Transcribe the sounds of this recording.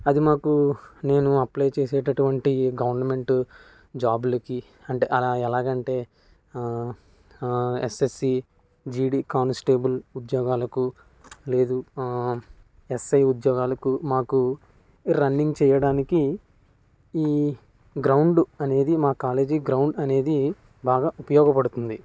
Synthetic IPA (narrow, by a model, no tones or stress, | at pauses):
ɐd̪imaːkune̞ːnuɐplɐjt͡ʃeːsɛːʈɐʈuʋɐɳʈiɡɐʋɐɾnɐme̞ɳʈ | d͡ʒaːblɐki | ɐɳʈeːʔɐlaːɛlaːɡɐɳʈe̞ː | ḛsesːi | d͡ʒiːɖiːkaːnsʈe̞ːbɐlud̪jɔːɡaːlɐku | le̞ːd̪u | esɐjud̪jɔːɡaːlɐkumaːku | ɾɐnːiŋɡt͡ʃɛːjɐɽaːniki | iː | ɡɾɐwɳɖɐne̞ːd̪imaːkaːle̞ːd͡ʒiɡɾɐwɳɖɐne̞ːd̪i | baːɡaːʔupɐjɔːɡɐpɐɽut̪und̪i